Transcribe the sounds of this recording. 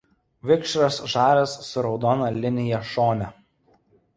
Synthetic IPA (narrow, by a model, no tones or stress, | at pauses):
ʋʲɪkʃɾɐsʒɑːɾʲɛsːʊɾɒʊd̪ɔːnɐlʲɪnʲɪjɛʃoːnʲɛ